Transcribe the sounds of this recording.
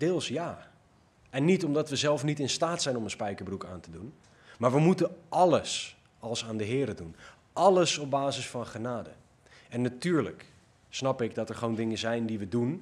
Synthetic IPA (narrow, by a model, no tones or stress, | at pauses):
dɪːlˠsjaː | ɛnːitɔmdɑtʋəzɛlˠfnitɪnstaːtsɛjnɔmənspɛjkəɹbruka̰ːntədun | maːɹʋəmutənʔɑləs | ɑlˠsaːndəɦɪːɾədun | ʔɑləsɔp̚baːzəsfɑnχənaːdə̰ | ɛnːatyːɹlək | snɑpɪɡdɔtɛɹχʋowndɪŋəzɛjndiʋədun